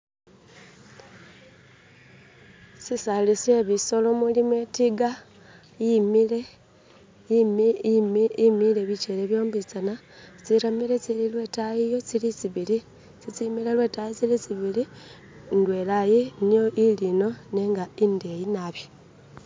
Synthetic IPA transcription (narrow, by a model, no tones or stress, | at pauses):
sisalise̞βiso̞lo̞mulimwe̞tiɡa | jimile | mmimileβit͡ʃele̞βjo̞ːmbit͡sana | t͡siɾamile̞t͡sililwe̞tajijo̞t͡silit͡siβili | t͡sit͡simile̞lwe̞tajit͡silit͡siβili | ŋɡwe̞lajinijo̞ʔilino̞neŋɡaindejinaβjo